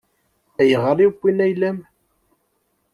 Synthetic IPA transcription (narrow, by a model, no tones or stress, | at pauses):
æjəʁəɾˤikʷːinæjlæm